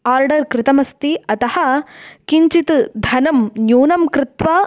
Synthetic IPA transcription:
aːɾɖɐɾkɾɪt̪ɐmɐst̪iɐt̪ɐhɐ̆kiɲt͡ʃit̪d̪ʱɐnɐmnjuːnɐmkɾɪt̪ʋa

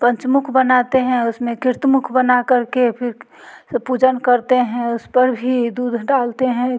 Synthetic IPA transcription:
pə̃ɲt͡ʃmʊkʰbənat̪eɦɛ̃ʊsmẽkɪɾt̪mʊkʰbənakəɾkepʰɪɾ | səpuːd͡ʒənkəɾt̪eɦɛ̃ʊspəɾbʱid̪uːd̪ʱɖaːlt̪eɦɛ̃

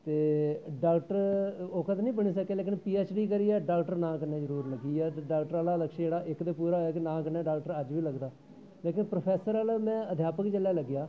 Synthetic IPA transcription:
t̪eːɖaːlʈəɾoːkət̪nĩːbəɳiːsəkːeːleːk̬ɪnpiːɛːt͡ʃɖiːkəɾiːɛːɖaːlʈəɾnãːkənẽːd͡ʒəɾuːɾləɡiːɛːt̪ːɖaːlʈəɾaːlaːləkʃd͡ʒeːɽaːʔɪkd̪eːpuːɾaːɦojaːkɪnãːkəneːɖaːlʈəɾəd͡ʒʋiːləɡd̪aː | leːkɪnpɾoːpʰɛːsəɾaːlmɛ̃ːəd̪ʱjaːpəkt͡ʃəlːjaːləɡːɪjaː

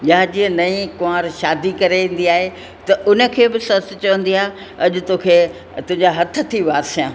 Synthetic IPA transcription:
jaːd͡ʑĩːə̃nɐĩkʊãːɾʃaːd̪ikɐɾeʋẽːn̆d̪iaːɦe | t̪ɐʔʊnə̆kʰeːbɪsɐst̪ɪ̆t͡ɕɐʋə̃nd̪iaːɦ | ɐʄʊt̪oːkʰeː | t̪ʊ̃ɦɪ̃ɲd͡ʑaɦɐt̪ʰə̆t̪ʰiʋaːsjãː

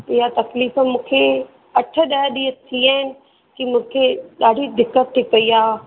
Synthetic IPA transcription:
ɪɦat̪ɐkliːfəmũːkʰe | ɐʈʰə̆ɗaɗiːət̪ʰiaːɪnɪ̆ | kimũːkʰeɗaːɖʱid̪ɪkːət̪ʰːipɐiaː

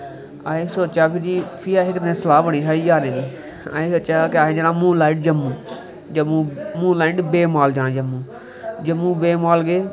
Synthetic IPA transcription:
aːeːsot͡ʃaːpʰɪɾd͡ʒiːpʰiːaːɦɪknẽːsəlaːbəɽ̃iːɦaːiːd͡ʒaːɾẽːd͡ʒiː | a̰ːẽːsot͡ʃaːkaːɦẽːd͡ʒənãːmũːlaːɪʈ̚d͡ʒəmːũː | d͡ʒmũːmũːnlaːɪʈbeːmaːld͡ʒaːnːd͡ʒəmːũː | d͡ʒəmːũːbeːmaːlɡeː

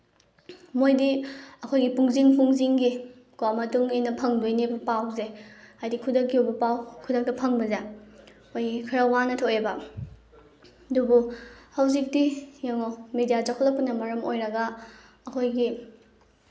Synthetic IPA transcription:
mojdiɐkʰojɡipuŋziŋpuŋziŋɡi | kwamɐtʰuŋejnɐpʰɐŋdojnebɐpawzeajdikʰudɐk̚ɡiuwbɐpawkʰudɐk̚tɐpʰɐŋbɐza | ojɡikʰɐɾawanɐtʰoebɐ | dubuhawzik̚dijaŋomedijad͡ʒakʰɔlɐpːɐnɐmɐɾɐmojɾɐɡɐː | kʰojɡi

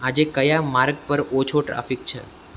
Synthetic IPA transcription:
ad͡ʒekəjamaɾɡ̚pəɾot͡ʃʰoʈɾa̰fik̚t͡ʃʰḛ

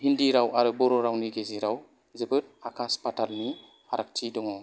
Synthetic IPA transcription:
hindiɾawaɾɯbɔɾɔɾawniɡeziɾaw | zɯbɯt̚akʰaspatʰalni | aɾak̚tʰidɔŋɔ

